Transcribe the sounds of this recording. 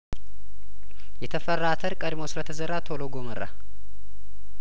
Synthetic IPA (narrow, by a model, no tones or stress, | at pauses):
jɛt̪ʰəfərːat̪ʰəɾkʼəd̪mosɨɾət̪ʰəzərːat̪ʰoloɡo̞mərːa̰